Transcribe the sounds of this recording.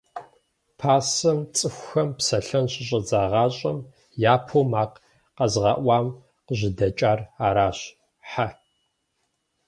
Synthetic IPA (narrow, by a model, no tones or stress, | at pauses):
pʰaːsɐmt͡sʼɨxʷxɐmpsɐɬɐnɕʼɪɕʼɐd͡zaːʁɑːɕʼɐm | jaːpʰoːmaːq | qɐzʁɐʔʷɑːm | qəʑɪdɐt͡ʃʼaːraːɾaːɕ | ħa